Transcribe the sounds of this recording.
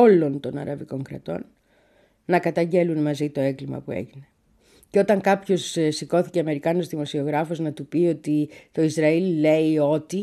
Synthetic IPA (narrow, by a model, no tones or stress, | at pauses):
olo̞nt̪o̞nɐ̰ɾɐviko̞ŋkɾɐ̰t̪o̞̰n | nɐkɐt̪ɐɲɟe̞lunmɐzit̪o̞e̞ŋɡlimɐ̰pue̞̰ʝine̞ | ceo̞t̪ɐŋkɐpço̞ssiko̞θi̥ce̞ɐme̞ɾikɐno̞zðimo̞sio̞ɣɾɐfoznɐt̪upio̞t̪it̪o̞izɾɐille̞io̞t̪i